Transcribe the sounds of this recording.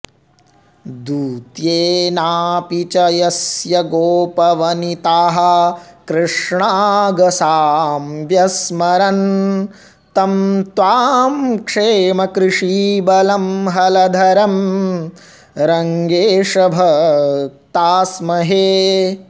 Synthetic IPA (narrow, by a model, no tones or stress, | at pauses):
d̪uːt̪jeːnaːpit͡ʃɐjɐsjɐɡoːpɐʋɐnit̪aːɦɐ̆kɾɨʂɳaːɡɐsaːmʋjɐsmɐɾɐn | t̪ɐmt̪ʋaːmkʂeːmɐkɾɪʂiːbɐlɐmɦɐlɐd̪ʱɐɾɐm | ɾɐŋɡeːʂɐbʱɐ | t̪aːsmɐɦeː